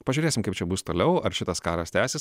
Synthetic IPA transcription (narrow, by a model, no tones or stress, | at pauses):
pɐʒʲyːɾʲeːsʲɪmkɐɪpt͡ʃʲɛbʊst̪oːlʲɛʊɐɾʃʲɪt̪ɐskɑːɾɐsʲt̪ʲæːsʲɪs